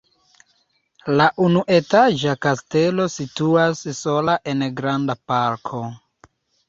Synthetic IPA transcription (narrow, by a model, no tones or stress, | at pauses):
laʔunuʔe̞tad͡ʒakaste̞lo̞situasso̞laʔe̞nɡɾandapaɾkʰo̞